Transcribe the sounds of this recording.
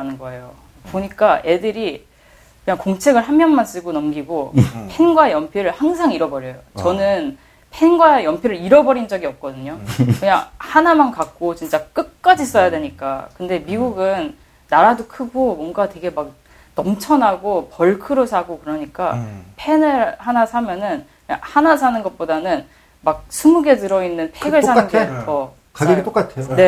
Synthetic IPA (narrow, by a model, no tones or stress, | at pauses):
nɯnɡʌejo | poɲik͈aʔe̞dɯɾi | kɯɲaŋkoŋt͡ɕʰe̞ɡɯɭɦammjʌŋmans͈ɯɡonʌmɡiɡopʰe̞nɡwaejʌmpʰjiɾɯɭhaŋs̬ʰaŋiɾʌbʌɾjʌjot͡ɕʌnɯn | pʰenɡwaejʌmpʰjiɾɯɾiɾʌbʌɾind͡ʑʌɡiʌp̚k͈ʌdɯɲokɯɲaŋhanamankak̚k͈ot͡ɕint͡ɕ͈ak͈ɯk̚k͈ad͡ʑis͈ʌjadwe̞ɲik͈a̰kɯnde̞miɡuɡɯnː | aɾadokʰɯɡomwʌŋɡatwe̞ɡe̞mak̚ | nʌmt͡ɕʰʌnaɡopʌɭkʰɯɾosʰaɡokɯɾʌɲik͈apʰe̞nɯɭhanasʰamjʌnɯn | ɯɲa̰hanas̬ʰanɯnɡʌt̚p͈odanɯn | mak̚sʰumuɡe̞tɯɾʌinːɯnpʰeɡɯɭsʰanɯnɡeʌ | aɡetok͈atʰeone̞